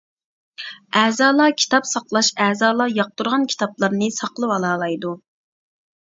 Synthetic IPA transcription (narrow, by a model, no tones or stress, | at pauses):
ɛːzɑːlˠɑkʲʰi̥t̪ʰɑpsɑqlˠɑʃɛːzɑːlˠɑjɑq̚t̪uɾʁɑnkʲʰi̥t̪ʰɑplˠɑɾnɨsɑqlˠɨwɑlˠɑːlˠɑjd̪u